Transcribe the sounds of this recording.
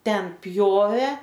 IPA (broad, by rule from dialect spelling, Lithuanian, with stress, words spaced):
ˈtʲɛn ˈpʲjoːʋʲeː